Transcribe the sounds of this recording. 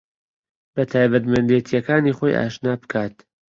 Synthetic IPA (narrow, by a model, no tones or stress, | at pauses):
b̥ɐt̪ʰaːjbɐt̪mɛnd̪et̪ʰijɐkaːniːχoːjʔa̰ːʃnaːbɨkʰaːt̪